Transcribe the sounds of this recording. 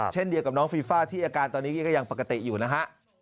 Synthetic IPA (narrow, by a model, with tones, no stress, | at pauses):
t͡ɕʰe˥˩ndi˧əwka˨˩p̚nɔː˦˥ŋfiː˧faː˥˩t̪ʰiː˥˩ʔaː˧kaː˧nt̪ɔː˧nːiː˦˥˩kɔː˥˩ja˧ŋpa˨˩ka˧t̪i˨˩ʔjuː˨˩na˦˥kʰa˦˥ʔ